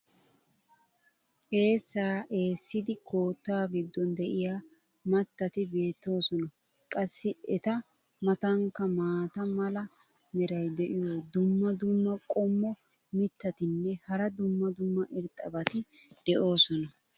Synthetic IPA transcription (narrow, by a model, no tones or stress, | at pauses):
ke̞ːsːaːʔe̞ːsːɪd̪ɪkʰo̞ːt̪ːaːɡɪd̪ːɔnd̪ɛʔɪjaː | mɐt̪ːɐt̪ɪbe̞ːt̪ːo̞ːsɔnɐ | kʼɐsːɪɛt̪ɐ | mɐt̪ɐŋkːɐmaːt̪ɐmɐlɐ | mɛɾɐjd̪ɛʔɪjoːd̪ʊmːɐd̪ʊmːɐkʼɔmːɔ | mɪt̪ːɐt̪ɪnːɛhɐɾɐd̪ʊmːɐd̪ʊmːɐʔɪɾt̪ʼɐbɐt̪ɪd̪̥ɛʔo̞ːsɔnɐ